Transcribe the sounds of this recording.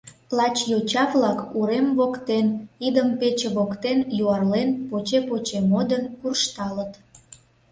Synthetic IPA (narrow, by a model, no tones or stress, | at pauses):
lɑt͡ɕjot͡ɕɑβlɑkuɾemvokt̪enid̪əmpet͡ɕeβokt̪enjuɑrlenpot͡ɕepot͡ɕemod̪ənkurʃt̪ɑlət̪